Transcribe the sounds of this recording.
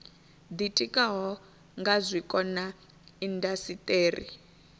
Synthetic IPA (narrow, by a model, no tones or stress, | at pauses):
d̪itʼikʼaɦɔ | ŋɡazʷikʼɔna | indasitʼeːrḭ